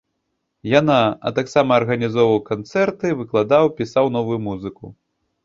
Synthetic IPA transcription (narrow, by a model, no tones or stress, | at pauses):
janaɐ̰t̪aksamɐːrɣɐnʲizɔwvɐwkant̪sɛrt̪ɨvɨklˠad̪awpʲisawnɔvujumuzɨku